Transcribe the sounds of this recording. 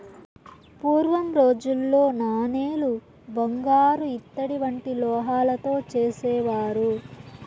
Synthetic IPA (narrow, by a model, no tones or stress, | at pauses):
puːɾʋɐmɾoːd͡ʒulːo̞ːnaːneːlu | bɐŋɡaːɾuit̪ːɐɽiʋɐɳʈilɔːɦaːlɐt̪o̞ːt͡ʃeːsɛːʋaːɾu